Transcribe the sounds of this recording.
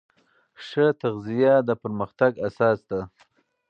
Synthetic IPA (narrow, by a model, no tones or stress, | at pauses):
ʂət̪aɣzijad̪əpəɾməxt̪aɡasɑsd̪a